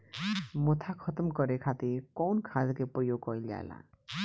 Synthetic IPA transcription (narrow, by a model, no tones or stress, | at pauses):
mɔt̪ʰakʰʌt̪əmkɔɾekʰat̪iɾkɔːnkʰad̪kepɾəjoɡkɔild͡ʒa̰ela̰